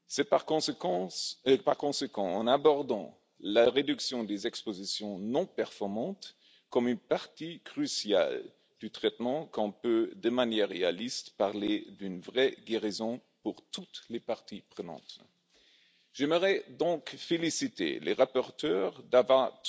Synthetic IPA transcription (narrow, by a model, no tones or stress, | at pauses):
sɛpaʁkɔ̃sekɑ̃əpaʁkɔ̃sekɑ̃ɑ̃nabɔʁd̪ɑ̃ | laʁed̪yksjɔ̃d̪ezɛkspozisjɔ̃nɔ̃pɛʁfɔʁmɑ̃t̪ | kɔmynpaʁt̪ikʁysja̰l | d̪̥yt̪χɛt̪mɑ̃kɔ̃pød̪əmanjɛʁːea̰list̪paʁled̪ynvʁɛɡeʁizɔ̃puʁt̪ut̪lepaʁt̪ʰipχənɑ̰̃ːt̪ | ʒ̥ɛməʁɛd̪ɔ̃kfelisit̪ḛlʔə̰ʁapɔʁt̪œːʁd̪ava